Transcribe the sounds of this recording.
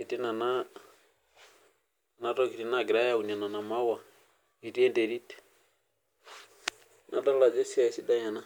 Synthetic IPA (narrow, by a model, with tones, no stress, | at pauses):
i˨ti˦na˨na˦ | na˨tɔ˦ki˨ɾi˦na˦ɡi˨ɾa˦ja˦u˨na˨na˨na˨ma˦wa˨ | i˨ɾi˦ɛ˦nde˨ɾi˦tɛ̥ | nʔa˨ta˦la˨d͡ʒɛ˦si˦a˦˨si˦da˦ɲa˨na˦